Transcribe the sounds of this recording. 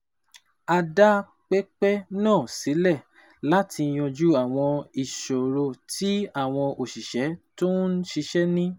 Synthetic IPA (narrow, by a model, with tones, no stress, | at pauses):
a˧da˦ | k͡pe˦k͡pɛ˦nãː˦˨si˨˦lɛ˦˨ | la˦tʰi˧j̃ɔ̃˧d͡ʒu˦a˦˨w̃ɔ̃˧i˨ʃo˨ɾo˧tʰi˦a˦˨w̃ɔ̃˧ʔo˨ʃi˨ʃɛ˨˦to˦n̩˦ʃi˧ʃɛ˦nĩ˦